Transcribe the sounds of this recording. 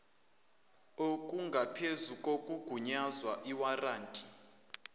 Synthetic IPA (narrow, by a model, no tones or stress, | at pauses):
okʼuŋɡʱapʰezukʼokʼuɡ̥ʱuɲazwaʔiwaraːntʼi